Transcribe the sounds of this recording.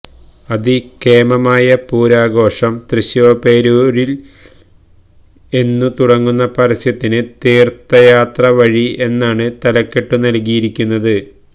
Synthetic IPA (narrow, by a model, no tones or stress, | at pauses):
ɐðikeːmɐmaːjɐpuːɾaːɡo̞ːʂɐmt̪rɨɕjope̞ːɾoːɾil | e̞nːut̪uɽɐŋːunːɐpɐɾɐsjɐt̪ːinɨt̪iːrt̪ɐjaːt̪rɐʋɐɻie̞nːaːɳɨt̪ɐlɐkːe̞ʈːunɐlk̬ijiɾikʲːunːɐðɨ